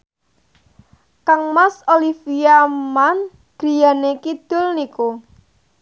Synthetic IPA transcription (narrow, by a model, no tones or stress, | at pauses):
kaŋmasolifiaman | ɡ̥ɾi̤janekid̪̥ʊlniko